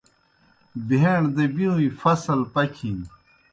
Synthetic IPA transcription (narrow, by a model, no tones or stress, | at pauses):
beɳd̪ebiũĩfɐsɐlpɐkʰĩn